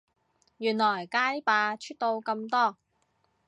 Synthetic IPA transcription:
jyː˨˩nlɔː˨˩jkaː˧˥jpaː˨˧t͡ʃʰyː˥t̚t̪o˧wkɐ˧mt̪ɔː˥

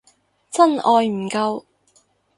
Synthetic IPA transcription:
t͡sɐ˥nɔː˧jm̩˨˩kɐ˧w

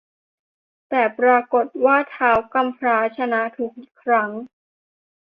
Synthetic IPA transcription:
t̪ɛː˨˩pɾaː˧ko˨˩t̪̚waː˥˩t̪ʰaː˦˥wka˧mpʰɾaː˦˥t͡ɕʰa˧na˦˥t̪ʰuː˨˩k̚ʔi˨˩kʰɾa˦˥ŋ

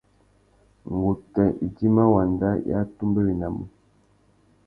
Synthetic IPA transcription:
ŋ˨ɡu˨kɛ˨ʔi˨di˦ma˦wa˨nda˦ja̰˦tu˦mbə˦wi˨na˨mṵ˨

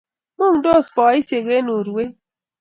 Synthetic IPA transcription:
mu˦ŋdo˦˨spɔ˨ɪ˦se˨ɡe˦nu˨ɾwe˦

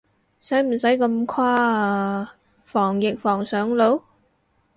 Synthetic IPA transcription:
sɐ˨˥jm̩˨˩sɐ˨˥jkɐ˧mkʰwaː˥ | fɔː˨˩ŋjɪ˨k̚fɔː˨˩ŋsœː˨˥ŋlo˨˥w

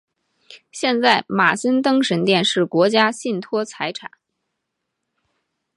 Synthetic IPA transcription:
ɕjɛ˥˧nt͡sa˥˩ɪma˨˩sə˥nt̪ɤ˥ŋʂə˧˥nt̪jɛ˥˧nʂɻ̩˥˩kwɔ˧˥t͡ɕja˥ɕi˥˩nt̪ʰwɔ˥t͡sʰa˧˥ɪʈ͡ʂʰa̰˨˩˦n

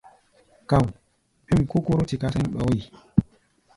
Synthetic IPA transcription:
ka˨w | pi˦mku˦ko˦ɾo˦ti˨ka˦se˦nɓɔ˦j

